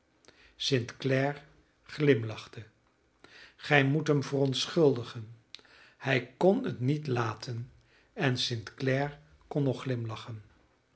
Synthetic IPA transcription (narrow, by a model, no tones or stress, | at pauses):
sɪntklɛːɹ | χlɪmlɑχtə | χɛjmutɦəmvərɔntsχɵlˠdəχən | hɛjkɔnə̰tnitlaːtʰən | ɛnsɪntklɛːɹ | kɔnːɔχːlɪmlɑχən